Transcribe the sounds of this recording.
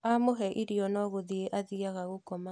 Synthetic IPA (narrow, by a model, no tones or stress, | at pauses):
amoɦɛʔiɾiɔnɔɣoðieʔaðiaɣaɣokɔma